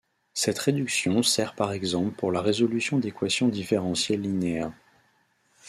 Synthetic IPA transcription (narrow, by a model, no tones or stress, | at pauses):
sɛt̪χed̪yksjɔ̃sɛʁpaʁɛɡzɑ̃plpuʁlaʁezɔlysjɔ̃d̪ekwasjɔ̃d̪ifeʁɑ̃sjelːineɛʁ